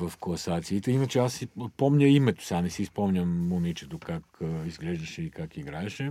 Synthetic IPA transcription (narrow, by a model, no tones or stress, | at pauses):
vɐfkolˠɐsat̪siːt̪ɛinɐt͡ʃɛasːipɔmɲʲɐimɛt̪o̥sanɛsispɔmɲʲɐmːomit͡ʃɛt̪okakizɡlɛʒd̪ɐʃɛikakiɡɾaɛʃɛ